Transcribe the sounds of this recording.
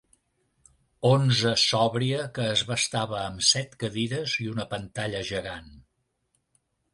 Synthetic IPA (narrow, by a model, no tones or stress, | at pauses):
onzəsɔβɾiəkəːzβəst̪aβəːmsɛt̪kəðiɾəziunəpənt̪aʎəʒəɣan